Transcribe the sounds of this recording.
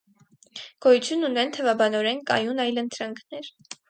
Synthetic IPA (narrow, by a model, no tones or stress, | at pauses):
ɡ̥ɔjut͡sʰjunːunɛnt̪ʰəvɑbɑnɔɾɛnkɑ̰junɑjlənt̪ɾɑŋkʰnɛɾ